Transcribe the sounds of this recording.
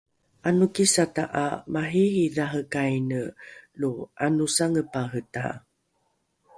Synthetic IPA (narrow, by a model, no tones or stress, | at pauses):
ʔanukisataʔamaɦihiðaɦəkajnəluanusaŋəpaɦəta̰